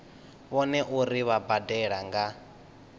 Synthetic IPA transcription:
βɔnɛʔuɾiβabadɛɺaŋɡa

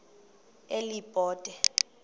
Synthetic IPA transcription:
elibʼʱɔːd̥ʼɛ

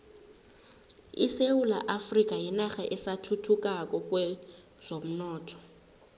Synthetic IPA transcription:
ḭseula̰ʔafrikʼajinaxaʔɛsatʰutʰukʼak̬ʼɔkʼwɛ | z̥om̩nɔːtʰɔ̥

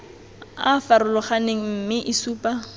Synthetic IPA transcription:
afaɾʊlɔχaneŋ̩mm̩mɪʔisuːpa

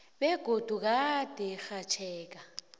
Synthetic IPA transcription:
bɛɡ̥ʱodʱʼuk̬ʼatʼɪxat͡ʃʰɛːkʼa

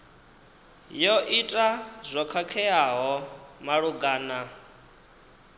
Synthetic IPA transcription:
jɔʔitʼazʷɔkʰakʰɛaɦɔmaɺuɡaːna

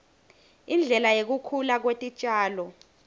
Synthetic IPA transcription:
ind͡ɮʱɛlajek̬ukʰulak̬wetʼit͡ʃʼaːlɔ

